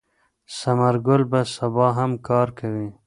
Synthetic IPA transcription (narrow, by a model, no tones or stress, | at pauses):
samaɾɡʊlbasabɑɦamkɑɾkawi